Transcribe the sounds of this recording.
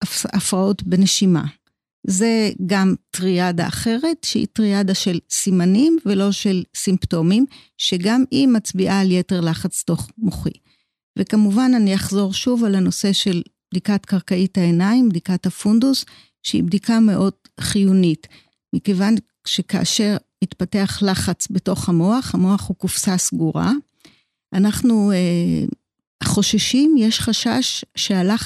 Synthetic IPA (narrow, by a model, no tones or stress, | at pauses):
afʁao̞tbeneʃima̰ | ze̞ɡamtʁiada̰ːχe̞ʁe̞tʃehḭtʁiadaʃe̞lsimanimvelo̞ʃe̞lsimpto̞mim | ʃe̞ɡamimat͡sbiʔaːljete̞ʁlaχat͡sto̞χmoχḭ | vekamuvananijaχzo̞ʁʃuvalhano̞se̞ʃe̞lbdikatkaʁkaithaenaimbdikathafundus | ʃeḭbdikame̞ʔo̞d̥ | χijunit | mikevan | ʃekaa̰ʃe̞ʁmitpate̞aχlaχat͡sbeto̞χhamo̞aχhamo̞aχhukufsasɡuʁa̰ | ʔanaχnue | χo̞ʃaʃimjeʃχaʃaʃːeala